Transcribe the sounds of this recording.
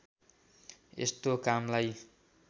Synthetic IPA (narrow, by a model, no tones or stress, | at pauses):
ḛst̪okamlaj